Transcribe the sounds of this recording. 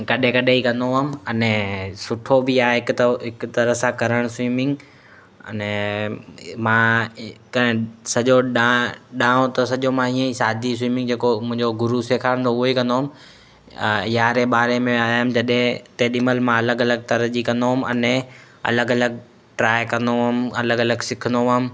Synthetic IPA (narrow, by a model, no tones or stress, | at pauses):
kɐɗẽkɐɗeikɐ̃nd̪omɐnɛsʊʈʰobɪaːɦɪkt̪ɦɪkt̪ɐɾəɦsãkɐɾəɽ̃swiːmɪ̃ŋɡ | ɐ̰nɛ | mãksɐʄoɗaɗãːõt̪ɐsɐʄomãiːə̃isaːd̪ʱis̬wiːmɪ̃ŋɡd͡ʑeːkomʊ̃ɦɪ̃ɲd͡ʑoɡʊɾuseːkʰaːɽ̃nd̪oʊɦoikɐ̃nd̪oɦʊm | jaːɾeɓaːɾemẽaːɦʊmd͡ʑɐɗɦẽt̪eːɗiməlmãɐləɡɐləɡ̚t̪ɐɾd͡ʑikɐ̃nd̪oɦʊmɐnɛ | ɐ̰ləɡɐləɡ | ʈɾaːɪkɐ̃nd̪omɐləɡɐləɡsɪkʰənd̪oʋam̆